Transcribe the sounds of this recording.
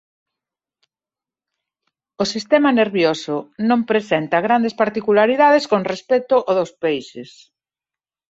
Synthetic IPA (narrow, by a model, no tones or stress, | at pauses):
osist̪ɛmɐneɾβjosʊnõmpɾesent̪ɐɣɾand̪espaɾt̪ikulaɾiðaðeskoŋrespɛt̪ʊʔoðospejsɪs